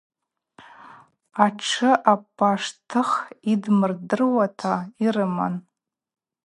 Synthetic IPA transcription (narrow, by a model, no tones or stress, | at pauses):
aʈ͡ʂʰɨʔapʰʼːaʂtʰɨχidmɨrdɨrwatʰairɨma̰n